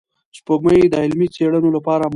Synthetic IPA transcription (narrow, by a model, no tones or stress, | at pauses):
spoɡməjed̪əɪlmit͡seɽənolapɑɾam